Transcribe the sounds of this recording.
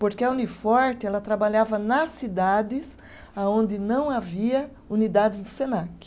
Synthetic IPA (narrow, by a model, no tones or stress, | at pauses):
poɾkeɐunifɔɾt̪ɪɛlɐt̪ɾabaʎavɐnɐsːid̪ad̪ɪs | aõnd̪ɪnɐ̃w̃aviɐ | unid̪ad̪ɪzd̪ʊsenakɪ̥